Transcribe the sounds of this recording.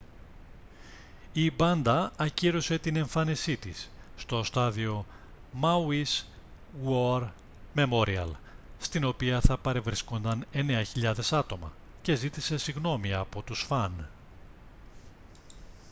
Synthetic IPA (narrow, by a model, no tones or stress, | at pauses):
ibɐnd̪ɐɐciɾose̞t̪ine̞ɱfɐnisit̪isːt̪o̞st̪ɐðio̞ | mɐwis | woɾ | me̞mo̞ɾiɐ̰lst̪ino̞piɐθɐpɐɾe̞vɾisko̞nd̪ɐne̞ne̞ɐçiʎɐðe̞sɐt̪o̞mɐ̰ | ce̞zit̪ise̞siɣno̞miɐpo̞t̪usfɐn